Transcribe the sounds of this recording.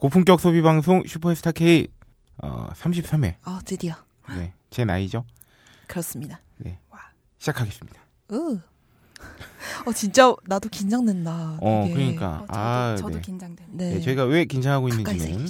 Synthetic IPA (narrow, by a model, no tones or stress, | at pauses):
kopʰuŋk͈jʌk̚s͈ʰobibaŋsʰoŋɕʰupʰoesʰtʰakʰei | ʌ̰sʰamɕʰip̚s͈ame̞̰ʌt͡ɕediʌ | ne̞ | t͡ɕe̞na̰id͡ʑo | kɯɾʌs͈ɯmɲida | ne̞̰ | ɕʰi̥d͡ʑakʰaɡe̞s͈ɯmɲid̥ḁ | ɯ | ʌt͡ɕint͡ɕ͈anadokind͡ʑʰaŋdwendaʌkkɯɾʌɲik͈a̰anḛnene̞t͡ɕʌiɡawe̞kind͡ʑʰaŋɦaɡoinːɯɲimɯn